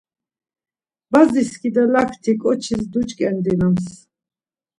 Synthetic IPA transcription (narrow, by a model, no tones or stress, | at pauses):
baziskʰid̪alakʰt̪ʰikʼɔt͡ʃʰisd̪ut͡ʃʼkʼɛnd̪inams